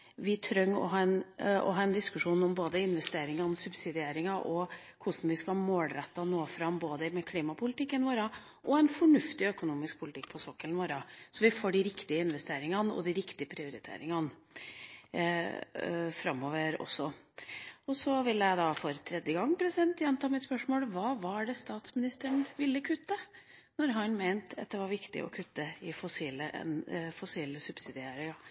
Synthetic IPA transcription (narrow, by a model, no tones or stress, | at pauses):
ʋɪt̪ʰɾœŋːɔ̰ɦɑːɛnɔ̰ɦɑːɛnd̪ɪskʉʂuːnɔmboːd̪əɪnʋɛst̪eːɾɪŋɑnəsʉbsɪd̪ɪeːɾɪŋɑʔɔ | kʰʊʂn̩ʋɪskɑmoːlɾɛt̪ːɑnoːfɾɑmboːd̪əmɛkʰliːmɑpʰʊlɪt̪ɪkːənʋoːɾɑ | ʔɔɛnfɔɳʉft̪ɪœkʊnuːmɪsk̚pʰʊlɪt̪ɪk̚ːpʰɔsɔkːəlʋoːɾɑsɔʋɪfoːɖɪɾɪkt̪ɪəɪnʋɛst̪eːɾɪŋɑnɔ̰d̪ɪɾɪkt̪ɪəpʰɾɪʊɾɪt̪ʰḛːɾɪŋɑn | fɾɑmoːʋəɾɔ̰sːɔ | ɔsɔʋɪlːəjæɪd̪ɑfɔɾt̪ʰɾɛd̪jəɡɑŋːpʰɾɛsɪd̪ɛnt̪jɛnt̪ʰɑːmɪt̪spœʂmoːlʋɑːʋɑæɖɛst̪ɑːt̪smɪnɪst̪əɳʋɪlːəkʰʉt̪ːə | nɔɾɦɑnmeɪnt̪ʰɑt̪̚d̪ɛʋɑɾʋɪkt̪ɪ̰ʔɔ̰kʰʉt̪ːəɪfɔsiːləʔɛ̰nfɔsiːləsʉb̥sɪd̪ɪeːɾɪŋɑ